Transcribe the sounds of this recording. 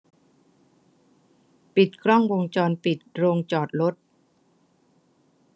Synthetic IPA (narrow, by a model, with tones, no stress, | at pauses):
pi˨˩t̪̚kʰɾɔ˥˩ŋwo˧ŋt͡ɕɔː˧npi˨˩t̪̚ɾoː˧ŋt͡ɕɔː˨˩t̪̚ɾo˦˥t̪̚